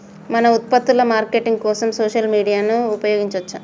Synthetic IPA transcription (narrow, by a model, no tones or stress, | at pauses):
mɐnɐut̪̚pɐt̪ːulɐmaːɾkeːʈiŋɡkɔːsɐmsoːʃɐlmiːɽijaːnuːpɐjɔːɡiɲt͡ʃɐʋɐt͡ʃːa